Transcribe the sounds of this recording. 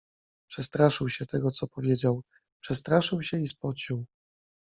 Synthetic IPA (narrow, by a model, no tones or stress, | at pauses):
pʂɛst̪ɾaʂɘwɕɛt̪ɛɡɔt̪sɔpɔvʲjed͡ʑaw | pʂɛst̪ɾaʂɘwɕɛispɔt͡ɕiw